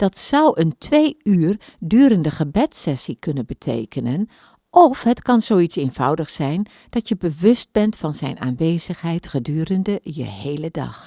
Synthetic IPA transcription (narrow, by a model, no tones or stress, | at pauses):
d̥ɑtsʌwʔəntʰʋejyːrdyːɾəndəχəbɛtsɛsikɵnənbətʰḛjkənən | ʔɔfɦətkɑnzoːwitsenv̥ʌ̰wdəχsɛjn | d̥ɑtjəbəʋɵst̚bɛntfɑnzɛ̰jna̰ːnʋeːz̥əxɦɛjtχədyːɾəndəjə̰hejlədɑ̰x